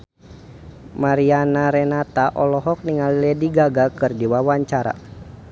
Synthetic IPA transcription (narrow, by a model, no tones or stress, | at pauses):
maɾianaɾɛnat̪aʔɔlɔɦɔk̚niŋalilɛdiɡaɡakɨrdiwawaɲt͡ʃaɾa̰